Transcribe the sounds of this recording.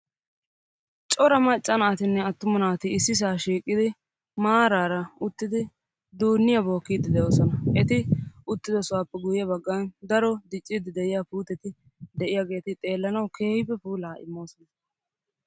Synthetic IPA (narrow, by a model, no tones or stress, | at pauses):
t͡ʃʼɔɾɐmɐt͡ʃʼːɐnaːt̪ɪnːɛɐt̪ːʊmɐnaːt̪ɪɪsːɪs̬aːʃiːkʼːɪd̪ɪ | maːɾaːɾɐʊt̪ːɪd̪ɪ | d̪uːnːɪjabo̞ːkːiːd̪ɪd̪ɛjo̞ːsɔnɐʔɛt̪ɪʊt̪ːɪd̪ɔsʊwaːpːɛɡʊjɪjɐbɐɡːɐnd̪ɐɾɔd̪ɪt͡ʃʼːid̪ɪd̪ɛʔɪjaːpuːt̪ɛt̪ɪ | d̪ɛʔɪjaːɡe̞ːt̪ɪt̪ʼe̞ːlːɐnɐwkʰe̞ːhɪbɛpuːlaːʔɪ̰mːo̞ːsɔnɐ